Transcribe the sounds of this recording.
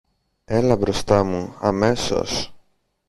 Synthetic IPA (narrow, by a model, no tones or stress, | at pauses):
e̞lɐbɾo̞st̪ɐmuɐme̞so̞̰s